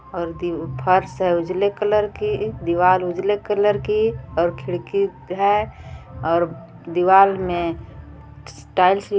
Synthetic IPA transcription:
ɔːɾd̪pʰəɾseʊd͡ʒlekələɾkid̪iʋalʊd͡ʒlekələɾkiɔːɾkʰɪɽki | ɦɛ | ɔːɾ | d̪iwaːlmẽ | sʈaːɪls

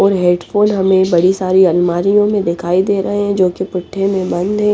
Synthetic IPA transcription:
ɔːɾɦeːɖfoːnɦɐmẽbɐɽisaːɾiɐnmaːɾijõmẽd̪ɪkʰaːid̪eːɾɐɦeɦɛ̃d͡ʒoːkepɪʈʰːẽmẽbɐ̃nd̪ɦɛ̃ː

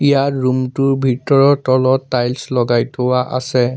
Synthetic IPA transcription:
ijatɹumtʊɹbʱitɔɹɔtɔlɔtːajlslɔɡajtʰowaʔa̰sɛ

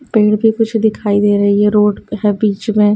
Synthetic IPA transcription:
peːɽbʱikʊt͡ʃʰd̪ɪkʰaːid̪eːɾɐɦiɦɛɾoːʈɦɛbiːt͡ʃmẽː

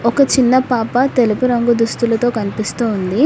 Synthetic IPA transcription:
ɔkɐt͡ʃinːɐpaːpɐt̪e̞lupuɾɐŋɡud̪ust̪ulɐt̪o̞ːkɐnipist̪uːnd̪i

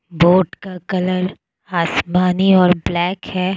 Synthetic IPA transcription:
boːʈkakɐləɾ | aːsmaːniɔːɾblɛːkhɛː

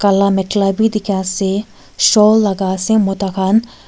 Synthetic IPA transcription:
kɐlamɛʈlabʱid̪ɪkʰase | ʃoːlːɐɡaːsẽmot̪akʰaːn

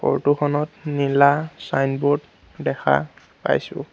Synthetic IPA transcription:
kɔ̰ɹtuxʰɔnɔtnilasajnbɔd | dɛxʰa̰ | pa̰jsʊ̰

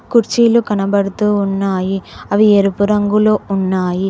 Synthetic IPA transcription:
kuɾt͡ʃːilukɐnɐbɐɽɯt̪ːuʊnːaːjiɐʋiɛɾɯpɯɾɐŋɡɯloʊnːaːji

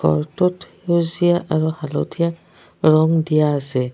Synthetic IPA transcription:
ɡɔ̰ɹtɔt | ozijaʔaɹuhalo̰tʰija | ɹɔŋdijaːsɛ

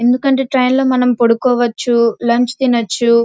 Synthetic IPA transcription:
e̞nd̪ukɐɳʈe̞ːʈɾɐjnlo̞ːmɐnɐmpoɽukɔːʋɐt͡ʃːulɐɲt͡ʃi̥t̪inɐt͡ʃːu

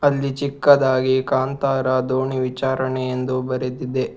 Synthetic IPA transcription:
ɐlːit͡ʃikːɐd̪aːɡikaːnt̪aːɾɐd̪oːɳiʋit͡ʃaːɾɐɳejend̪ubɐɾed̪id̪e

